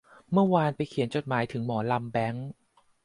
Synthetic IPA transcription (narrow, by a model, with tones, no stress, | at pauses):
mɯ˥˩ɐwaː˧npa˧jkʰi˨˩˦nt͡ɕo˨˩t̪̚maː˩˦jt̪ʰɯ˩˦ŋmɔː˩˦la˧mbɛ˦˥ŋ